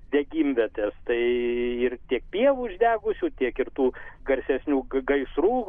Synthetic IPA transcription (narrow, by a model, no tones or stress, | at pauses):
d̪ʲɛɡʲiːmʲʋʲɛt̪ʲɛːst̪ɐɪɪrt̪ʲiɛk̚pʲiɛʋuːɪʒʲd̪ʲæːɡʊsʲuːt̪ʲiɛkɪrt̪uːɡɐɾʲsʲɛsʲnʲuːɡɐɪsɾuː